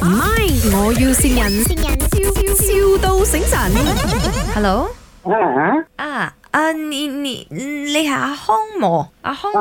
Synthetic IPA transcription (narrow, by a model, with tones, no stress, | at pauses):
m̩˨˩ma˥jŋɔː˨˧ji˧wsiː˧njɐ˨˩n˧˨˩n˧i˧wt̪o˧wsɪ˨˥ŋsɐ˨˩n | hɛ˧lo˨˧˥w | a˧˩ha˨˥ʔaː˧˩ | a˧i˧nḭ˧˨le˨˧ɦa˨˩a˧hɔː˥ŋmɔː˨˩ʔa̰˧hɔː˥ŋ